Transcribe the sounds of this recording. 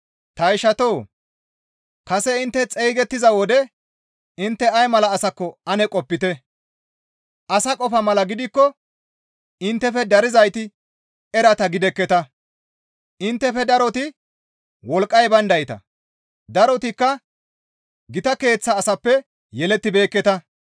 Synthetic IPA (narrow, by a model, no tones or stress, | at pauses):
t̪ɐjɪʃɐt̪oː | kɐsɛɪnt̪ːɛt͡sʼejɡɛt̪ːɪzɐwɔd̪ɛ | ɪnt̪ːɛɐjmɐlɐːsɐkːɔɐnɛkʼɔpːɪt̪ɛ | ʔɐsɐkʼɔfɐmɐlɐɡɪd̪ɪkːɔ | ɪnt̪ːɛfɛd̪ɐɾɪzɐjt̪ɪ | ɛɾɐt̪ɐɡɪd̪ɛkːɛt̪ɐ | ʔɪnt̪ːɛfɛd̪ɐɾɔt̪ɪ | wɔlkʼːɐjbɐnd̪ɐjɪt̪ɐ̰ | d̪ɐɾɔt̪ɪkːɐ | ɡɪt̪ɐke̞ːt͡sːɐːsɐpːɛ | jɛlɛt̪ːɪbe̞ːkːɛt̪ɐ